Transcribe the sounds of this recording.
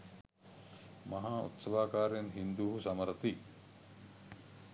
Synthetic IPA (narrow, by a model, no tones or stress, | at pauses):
mɐɦaːṵt̪sɐʋaːkaːɾejɐnɦind̪uɦusɐmɐɾɐt̪i